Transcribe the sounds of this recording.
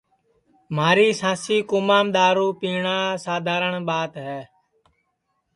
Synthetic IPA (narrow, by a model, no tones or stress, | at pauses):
maːɾiːsãːsiːkʊmaːmɗ̪aːɾũːpiːɳaːsaːd̪ʱaːɾəɳɓaːt̪ɦɛː